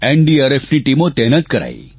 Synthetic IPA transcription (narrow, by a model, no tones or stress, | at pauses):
eɳɖiaɾefniʈimot̪ɛɦnət̪̚kəɾa̰j